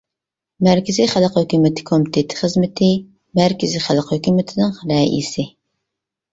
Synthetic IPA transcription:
mæɾkʲʰɪziχəlˠqhøkʲymɪt̪ʰɪ̥kʰomit̪ʰet̪ʰɪ̥χəzmɪt̪ʰɪ | mæɾkʲʰɪziχælˠqhøkʲymɪt̪ʰɪd̪ɨŋχɾɛʔḭsɪ

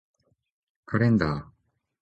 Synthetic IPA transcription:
kʰaɾẽnd̪a

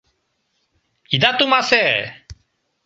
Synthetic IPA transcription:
id̪aːt̪umasɛː

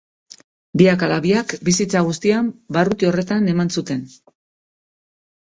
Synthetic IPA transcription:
biakalaβiakbisit͡saɣ̞ust̪iambarut̪io̞re̞t̪ane̞mansut̪e̞n

